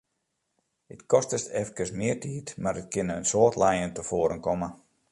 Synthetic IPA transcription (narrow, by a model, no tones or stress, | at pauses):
ətkɔstəstɛfkərsmɪərtʰiːtmaɾət̚kɪnəənsoətlɛjəntəfoəɾənkɔmə